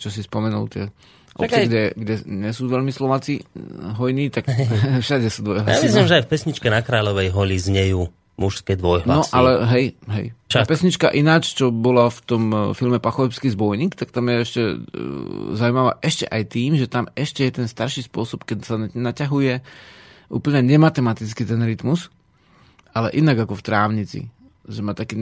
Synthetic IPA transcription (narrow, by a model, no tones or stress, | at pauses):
t͡ʃɔsispɔmɛnṵlt̪ɪɛ̰ | ʔɔ̰t͡sɪɛɡdɛɡɟɛɲɛsuːʋɛʎmislɔʋaːt͡siɦɔjniːt̪akfʃadɛsuːd̪ʋɔjɦla̰aʋizimʒɛajfpɛsɲit͡ʃkɛnakɾaːʎɔʋɛjɦɔʎizɲɛjuː | muʃskɛd̪ʋɔjɦlanɔsʔalɛɦɛjɦɛ̰jt͡ʃaapɛsɲit͡ʃka̰ʔinaːt͡ʃt͡ʃɔbɔlaft̪ɔmfilmɛpaxɔʋɛpskiːzbɔjniːkt̪ak̚t̪amjɛɛʃcɛ | zaujmaʋa̰ːʔɛʃcɛ̰ʔajt̪iːmʒɛt̪amɛʃcɛjɛt̪ɛnst̪aɾʃiːspʊɔsɔpkɛɟsanacaɦujɛ | ʔṵːpl̩ɲɛɲɛmat̪ɛmat̪it͡skiːt̪ɛnɾit̪mus | alɛʔinaɡakɔft̪ɾaːʊɲit͡sḭ | ʒɛmat̪akiː